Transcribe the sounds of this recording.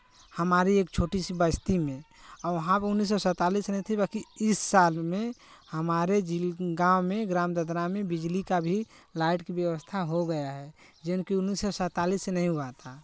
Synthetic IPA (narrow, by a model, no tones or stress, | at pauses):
həmaːɾieːk̚t͡ʃʰoːʈisibəst̪imẽɔɾʋəɦãpʊnːis̬ːɔsət̪aːlisnɛɦĩt̪ʰibakiɪsːaːlmẽhəmaːɾed͡ʒilɡãwmẽɡɾamd̪əd̪ɾamẽbid͡ʒlikabʱi | laɪʈkibjəʋəst̪ʰaɦoɡəjaɦɛ | d͡ʒɪnkiʊnːisːɔsət̪alisːenəɦĩɦbat̪ʰa